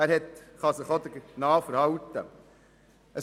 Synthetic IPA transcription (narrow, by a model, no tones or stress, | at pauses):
æːɾhɛt̪χɑsɪχod̪əɡnɑːfəɾhɑwt̪ːə̰ | ʔə